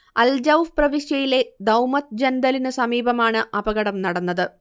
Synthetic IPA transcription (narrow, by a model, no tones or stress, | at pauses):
ɐld͡ʑɐwprɐʋiɕjɐjile̞d̪ɐwmɐt̪̚d͡ʑɐnd̪ɐlinɨsɐmiːbɐmaːɳɨʔɐbɐɣɐɽɐmnɐɽɐnːɐðɨ